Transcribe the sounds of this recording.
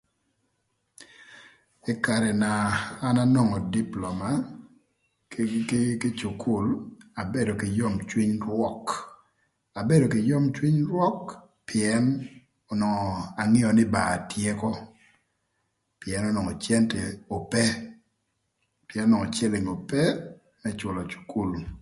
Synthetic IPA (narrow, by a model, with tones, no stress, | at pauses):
ɪ˦ka˨ɾɛ˨naː˨˦na˦nɔ˦ŋɔ˨di˦plɔ˨ma˨˦ | kɪ˦t͡ʃu˨kʰu˨la˨be˦do˨kɪ˨jo˦mt͡ʃwi˦ɲɾwɔ˦k | a˨be˦do˨kɪ˨jo˦mt͡ʃwi˦ɲɾwɔ˦k | pɪ˨ɛ˦n | ɔ˨nɔ˨ŋɔ˨a˨ŋi˦ɔ˨nɪ˦ba˨a˨tje˦kɔ˦ | pɪ˨ɛ˨nɔ˦nɔ˨ŋɔ˨t͡ʃjɛ˦ntɛ˨o˨pɛ˦ | pjɛ˨˦n˦nɔ˨ŋɔ˨t͡ʃɛ˦lɪ˨ŋo˨pɛ˦ | mɛ˦t͡ʃʊ˨lɔ˨t͡ʃu̥˨ku˦l